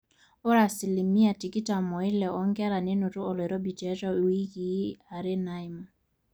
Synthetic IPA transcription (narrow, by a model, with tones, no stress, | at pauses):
o˦ɾa˨si˨li˨mi˦a˨ti˨ki˦ta˨mɔ˨ɪ˦lɛ˨ɔ˦ŋɡɛ˦ɾa˨ne˦nʊ˨tʊ˦ɔ˨lɛ˨ɾɔ˦bi˨t͡ʃɛ˨˦t͡ʃɔ˦˨wi˦ki˨˦a˨ɾɛ˦na˦ɪ˦ma˨